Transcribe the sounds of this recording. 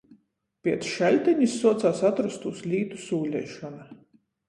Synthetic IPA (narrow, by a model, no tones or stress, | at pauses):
pʲiɛt̪sʃælʲt̪ʲɛɲisːuɔt̪saːsat̪ɾast̪uːslʲiːt̪u̥suːlʲɛjʃɔna